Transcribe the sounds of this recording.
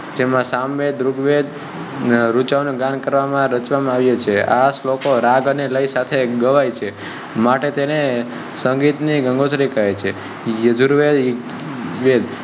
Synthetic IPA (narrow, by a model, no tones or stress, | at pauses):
d͡ʒemãsamʋed̪ɾuɡʋed̪ | ɾut͡ʃaʋnũɡankəɾʋamãɾət͡ʃʋamãaʋjet͡ʃʰeaslokoɾaɡəneləisat̪ʰeɡəʋajt͡ʃʰe | maʈet̪ene | səŋɡit̪niɡəŋɡot̪ʰɾikəɦet͡ʃʰe | jəd͡ʒʱuɾʋed̪ | ʋed̪